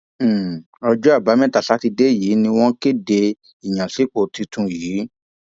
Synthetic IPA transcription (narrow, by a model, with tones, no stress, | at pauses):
ɔ˧d͡ʒɔ˦a˦˨ba˨˦mɛ̃˦ta˨sa˨˦ti˧de˦jiː˨˦nĩ˧w̃ɔ̃˦ke˦˨de˧ | i˨jã˨si˨˦k͡po˨ti˧tũ˨˧jiː˨˦